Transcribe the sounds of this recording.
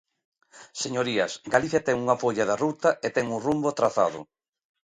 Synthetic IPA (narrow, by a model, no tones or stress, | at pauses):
seɲoɾiɐsɡaliθjat̪ɛŋuŋɐfoʎaðarut̪ɐʔet̪ɛŋuŋrumbot̪ɾaθa̰ðʊ̰